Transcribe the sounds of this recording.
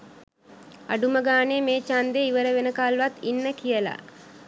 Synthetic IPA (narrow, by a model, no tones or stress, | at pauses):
a̰ɖuməɡaːnemeːt͡ʃand̪eiʋəɾəʋenəkalʋat̪inːəkijəla̰